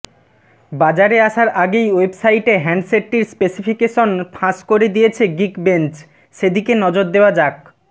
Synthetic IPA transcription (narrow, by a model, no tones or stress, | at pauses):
bad͡ʑaɾeaʃaɾʔaɡejwebsajʈeɦɛɳɖseʈːiɾspesifʰikeʃonpʰãʃkoɾed̪ijet͡ɕʰeɡikbent͡ɕ | ʃed̪ikenɔd͡ʑoɾd̪eoad͡ʑak̚